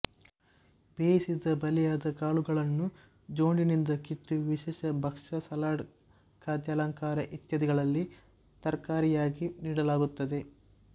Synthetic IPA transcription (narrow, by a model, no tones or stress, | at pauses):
b̥eːjsid̪ɐbɐlɛjaːd̪ɐɡaːɭuɡɐɭɐnːu | d͡ʒoːɳɖinind̪ɐkit̪ːuʋiʃɛːʃɐbʱɐkʂɐsɐlaːɽ | kʰaːd̪jɐlɐŋkaːɾɐʔit̪jɐd̪iɡɐɭɐlːi | t̪ɐɾkaːɾijaːɡiniːɽɐlaːɡut̪ːɐd̪e̞